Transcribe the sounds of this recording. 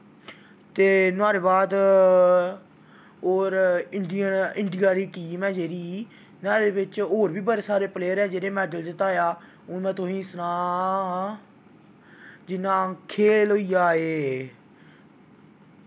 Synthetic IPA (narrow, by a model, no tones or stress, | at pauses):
t̪eːnʊaːɾeːbaːd̪ | oːɾɪɳɖɪjəɪ̃ɳɖijaːɾiːʈiːmɛ̃ːd͡ʒeːɾiː | naːɾeːbɪt͡ʃoːɾbiːbəɾeːsaːɾeːpleːəɾɛːd͡ʒeːɾeːmɛːɖəld̪ɪt̪aːjaː | ʊnmɛ̃ːt̪oĩːsənãː | d͡ʒɪnãːəkʰːeːlɦoiːjaːeː